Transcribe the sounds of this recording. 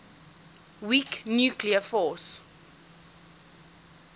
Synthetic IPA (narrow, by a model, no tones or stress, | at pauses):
wiknjuːkliəfɔs